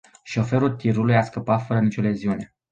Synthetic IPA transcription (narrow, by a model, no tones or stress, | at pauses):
ʃo̞fe̞ɾult̪iɾulujaskəpat̪fəɾənit͡ʃole̞ziune̞